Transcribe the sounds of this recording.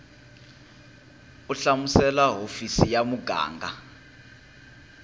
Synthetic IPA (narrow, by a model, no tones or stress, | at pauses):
uɬamusɛlaɦofisijamuɡʱa̰ːŋɡa̰